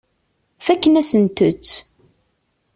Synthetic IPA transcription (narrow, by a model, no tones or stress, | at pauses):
fækːənæsənt̪ʊt͡sː